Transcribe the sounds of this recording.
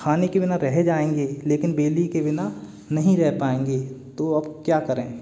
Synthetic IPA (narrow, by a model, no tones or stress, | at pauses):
kʰaːnekebɪnaɾɛɦed͡ʒaːẽːŋɡeːleːkɪnbeːlikebɪna | nɐɦĩɾɛɦpaːẽːŋɡet̪oɐbkjaːkɐɾẽː